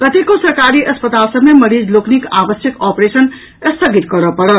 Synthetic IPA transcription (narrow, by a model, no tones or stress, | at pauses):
kət̪ekosəɾkaɾiʔəspət̪alsəbmeməɾid͡ʒloknikabəsjəkɔpɾesən | əst̪ʰəɡit̪kʌɾəpəɽəl